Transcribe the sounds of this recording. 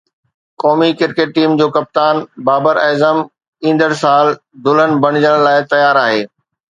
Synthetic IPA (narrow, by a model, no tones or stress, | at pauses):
kɔːmikɪɾkeːʈ̚ʈiːmd͡ʑoːkɐp̚t̪aːnbaːbəɾɛːzəm | ĩːn̆d̪əɽsaːl | d̪ʊlənɪ̆bɐɽ̤̃ɪd͡ʑəɽ̃laːɪt̪ɐjaːɾaːɦeː